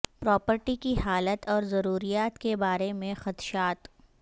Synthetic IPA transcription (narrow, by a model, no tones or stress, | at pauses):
pɾɔːpəɾʈikiɦaːlət̪ɔːɾzɐɾuːɾijaːt̪kebaːɾemẽxɐt̪ʃaːt̪